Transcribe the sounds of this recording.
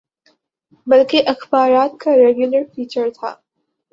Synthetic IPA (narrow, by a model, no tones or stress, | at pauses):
bɐlkeʔɐxbaːɾaːt̪̚kaɾɛːɡjʊləɾfiːt͡ʃəɾt̪ʰa̰ː